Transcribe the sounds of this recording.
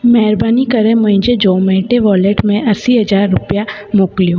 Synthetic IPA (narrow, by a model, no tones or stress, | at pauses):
mɛːɾbaːnikəɾẽmə̃ɪ̃d͡ʒed͡ʒɔːmẽːʈeʋɔːleʈmẽʔɐsiɦɐd͡ʒaːɾːʊpja | moːklijoː